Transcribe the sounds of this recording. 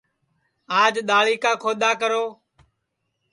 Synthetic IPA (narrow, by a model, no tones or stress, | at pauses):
aːd͡ʒɗ̪aːliːkãːkʰoːd̪aːkəɾoː